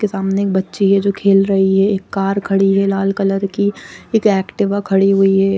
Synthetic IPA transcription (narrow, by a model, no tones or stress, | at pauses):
kesaːmneeːk̚bɐtːʃiɦɛd͡ʒoːkʰeːlɾɐɦiɦɛeːkːaːɾkʰɐɽiɦɛlaːlkələɾkieːkɛːkʈɪʋakʰɐɽiɦuiɦɛː